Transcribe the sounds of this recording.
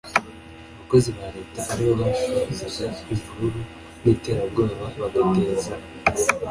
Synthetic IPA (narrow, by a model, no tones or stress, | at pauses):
βako̞ziβaɾe̞ːtaʔaɾiβoβaʃizizaivuɾuɾu | nite̞ɾabɡaːβaβaɡaɡeːza